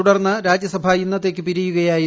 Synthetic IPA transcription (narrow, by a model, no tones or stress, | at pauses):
uɽɐrnːɐɾaːd͡ʑjɐsɐbʱainːɐt̪ːeːkːɨpiɾijuɣɐjaːji